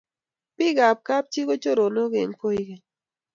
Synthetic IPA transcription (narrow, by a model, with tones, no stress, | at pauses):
pɪ˦ɡa˨p̚ka˦p̚t͡ʃi˦ko˦t͡ʃo˦ɾo˨no˦ɡḛ˨ŋpo˦i˦kɛ˨